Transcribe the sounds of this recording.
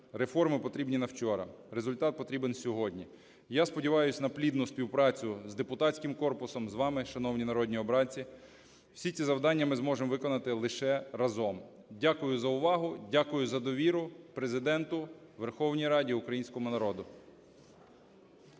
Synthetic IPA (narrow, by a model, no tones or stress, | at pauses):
ɾefɔrmɪpɔt̪ɾʲibnʲinɐwt͡ʃɔɾɐ̰ɾezʊlʲt̪ɑt̪̚pɔt̪ɾʲibensʲɔɦɔdʲnʲi | jaspɔdʲiʋɑjʊsʲnɐplʲid̪nʊspʲiwpɾɑt͡sʲʊzd̪epʊt̪ɑsʲkɪmkɔrpʊsɔmzʋɑmɪʃɐnɔwnʲinɐɾɔd̪ʲnʲiɔbɾɑt͡sʲi | wsʲit̪ʲizɐwd̪ɑnʲːɐmɪzmɔʒemʋɪkɔnɐt̪ɪlˠɪʃɛɾɐzɔm | dʲakʊjʊzɐʊʋɑɦʊdʲakʊjʊzɐd̪ɔʋʲiɾʊpɾe̞zɪd̪ɛnt̪ʊʋerxɔwnʲijɾɑdʲiʊkɾɐjinʲsʲkɔmʊnɐɾɔd̪ʊ